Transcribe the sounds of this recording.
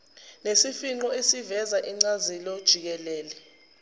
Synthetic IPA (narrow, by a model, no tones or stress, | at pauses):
nesifiŋ͡ǃɔesivɛzaʔiŋ͡ǀazilod̥ʒ̥ʱik̬ɛlɛːlɛ